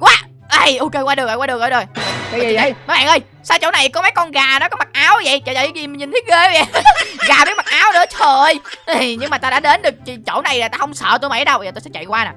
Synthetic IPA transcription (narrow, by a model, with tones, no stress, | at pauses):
kwaː˨˦ | ʔa˧˩jʔo˧ke˧jkwaː˧ɗk̚o˨˩kwaː˧ɨ˨˩k̚ŋʔə˧˩ɗo˨˩ji˨ə˧jma˨˦jɓa̰ː˧˨ʔəː˧˩j | saː˧wt͡ɕo̰˧˥˦na˨˩jkɔ˨˦ma˨˦jkɔ˧nɣaː˨˩nɔ˨˦kɔ˨˦ma˨˩t̚ʔaː˨˦wvə̰˧˨jt͡ɕɔ˧˩zə̰˧˨˩zi˨˩mə˨˩ɲi˨˩nt̪ʰi˦˥ɣe˧və˨˦ɣaː˨˩mə˧˨˦ma˨˩t̚ʔaː˨˦wnɨ̰˧˥ət͡ɕʰə˨˩jɲɨ˧ŋŋ͡mmaː˨˩t̪aː˧ɗa̰ː˧˥ɗe˨˦nɗɨ˨˩ək̚t͡ɕi˨˩t͡ɕo̰˧˩wna˨˩jlaː˨t̪aː˧hə˧wŋ͡msə̰ː˧˨t̪o˧jmə̰˧˩˦ɗə˧wɓə˧zəː˨˩o˧sɛ̰˧˥t͡ɕa̰˧˨jkwaː˧na˨˩